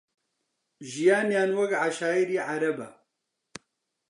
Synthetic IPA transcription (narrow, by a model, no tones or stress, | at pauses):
ʒijaːnjaːnwɐkʕaʃaːiɾiːʕaɾɐbɐ̰